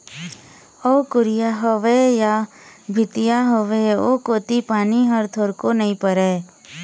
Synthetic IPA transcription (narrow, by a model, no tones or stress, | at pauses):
ɔːkʊɾɪjaɦəʋeja | bʱɪt̪ɪjaɦoʋeoːkoːt̪ipaːniɦəɾt̪ʰoɾkonɐĩpəɾeː